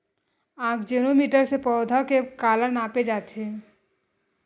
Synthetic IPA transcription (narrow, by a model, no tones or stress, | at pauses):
ãːkd͡ʒeːnomiːʈəɾsepɔːd̪ʱakekaːləɾnaːped͡ʒaːt̪e